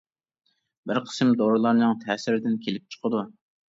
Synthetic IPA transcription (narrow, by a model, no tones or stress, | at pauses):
bɪɾqʰə̥smd̪oɾɨlˠɑɾnɨŋt̪ʰɛːsɪɾɪd̪ɪnkʲʰelɪp̚t͡ʃʰə̥qʰəd̪u